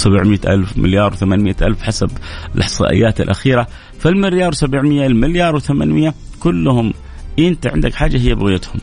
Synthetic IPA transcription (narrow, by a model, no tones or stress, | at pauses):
sabʕmɪʔa̰lfmɪ̰ljɑːɾˤwθamaːnmɪjːaʔalfħasabɪlʔɑħsˤɑ̰ːʔɪ̰jːaːt̪ɪ̰lʔa̰xiːɾa | falmɪljɑːɾˤwsabɪʕmɪjːalmɪljɑːɾˤwθama̰nmɪjːa | kʊlːʊhʊm | ʔɪnt̪aʕɪ̰nd̪akħaːd͡ʒːaɦɪjːabɪɣɪjat̪hʊm